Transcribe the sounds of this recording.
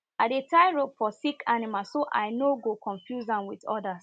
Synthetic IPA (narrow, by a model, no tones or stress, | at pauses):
adetaɪɹofɔsikʰanimalsoʔa̰ɪnoɡokɔ̃ɱfjuzãnwiðɔ̰das